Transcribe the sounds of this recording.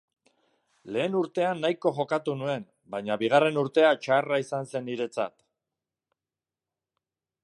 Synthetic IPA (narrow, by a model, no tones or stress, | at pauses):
le̞ːnuɾt̪e̞anːajko̞ʝo̞kat̪unue̞n | bajɲaβiɣ̞are̞nuɾt̪e̞at͡ʃaraisanse̞nːiɾe̞t͡sa̰t̪